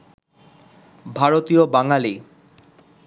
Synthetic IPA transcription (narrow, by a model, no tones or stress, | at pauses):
bʱaɾot̪iobaŋali